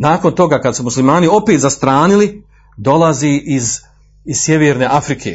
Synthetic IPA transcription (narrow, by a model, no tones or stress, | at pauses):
naːko̞nt̪o̞ɡaːkad̪sumuslimaːnio̞peːt̪zast̪ɾaːnili | d̪o̞laziːʔiz | iz̥sjeʋeːɾne̞ʔafɾikʰḛ